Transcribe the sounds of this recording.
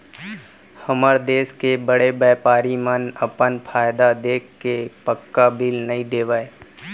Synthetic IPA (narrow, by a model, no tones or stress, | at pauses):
həməɾd̪eːskebəɽebɛːpaːɾimənəpənpʰaːjd̪ad̪eːk̚ʰkepəkːabɪlnɐɦĩd̪eːʋaːe